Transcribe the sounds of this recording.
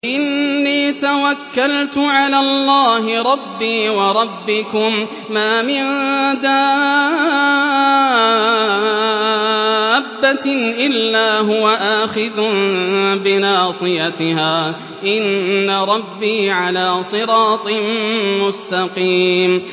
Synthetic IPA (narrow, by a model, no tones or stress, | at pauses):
ʔɪnːiːt̪awakːalt̪ʊʕalaːlˤːɑːhɪɾˤɑbːiːwɑɾˤɑbːɪkʊmː | aːmɪnd̪aː | bːaʔɪlːaːɦʊwaʔaːxɪðʊ | bɪnɑːsˤɨjat̪ɪhaː | ʔɪnːaɾˤɑbːiːʕalaːsˤɨɾɑːt̪ˤɨmmʊst̪ɑqiːm